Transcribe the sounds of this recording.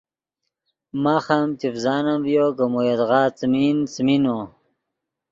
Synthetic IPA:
maxamt̪ifzɑːnamvjokəmojɐd̪ʁɑːt͡smint͡smino

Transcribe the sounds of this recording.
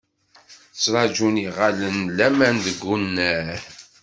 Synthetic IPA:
θət͡sːɾˤɑd͡ʒuniʁalənlæmænd̪əɡːunːæ

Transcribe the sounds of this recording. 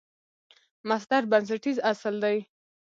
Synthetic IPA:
masd̪aɾbans̬aʈizasəld̪aj

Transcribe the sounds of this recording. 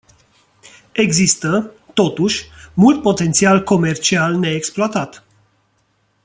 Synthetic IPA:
e̞ɡzist̪ə | t̪o̞t̪uʃʲmult̪̚po̞t̪e̞nt̪sialko̞me̞rt͡ʃialne̞ːksploat̪at̪

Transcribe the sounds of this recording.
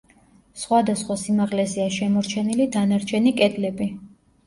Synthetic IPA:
sχwad̪asχwasimaʁlɛziaʃɛmɔɾt͡ʃʰɛnilid̪anaɾt͡ʃʰɛnikʼɛd̪lɛbi

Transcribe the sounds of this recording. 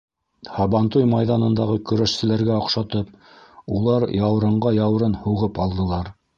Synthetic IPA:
hɑβɑnt̪ujmɑjðɑnɤ̆nd̪ɑʁɤkɵ̆ɾæʃsɘ̆læɾɡæŏqʃɑt̪ɤp̚ | ulˠɑɾjɑw̆ɾɤ̆ɴɢɑjɑw̆ɾɤnhuʁɤpɑlˠd̪ɤ̆lˠɑɾ

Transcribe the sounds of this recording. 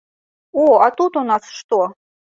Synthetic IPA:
oat̪ut̪unasʂt̪o

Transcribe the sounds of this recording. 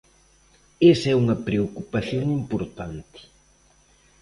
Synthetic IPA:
esɛuŋɐpɾeokupaθjoŋimpoɾt̪ant̪ɪ̥

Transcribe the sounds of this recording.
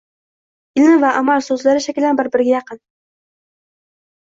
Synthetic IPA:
ɪlnɪvaʔamalsɵzlaɾɪʃakʲɪlanbɪɾbɪɾɡʲajɑqʰɨn

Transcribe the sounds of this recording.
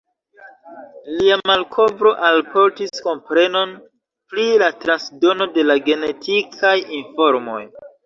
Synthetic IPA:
liamalkʰo̞bɾo̞ʔalpo̞ɾtisko̞mpɾe̞no̞n | pɾilatɾansdo̞no̞de̞laɡe̞ne̞tʰikʰajinfo̞ɾmo̞̰j

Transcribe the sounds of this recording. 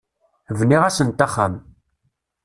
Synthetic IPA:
vniʁasənt̪aχːa̰m

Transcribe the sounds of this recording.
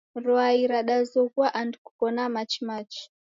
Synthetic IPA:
ɾɔaiɾaɗazɔkuaʔandiku̥pɔnamat͡ʃimat͡ʃi̥

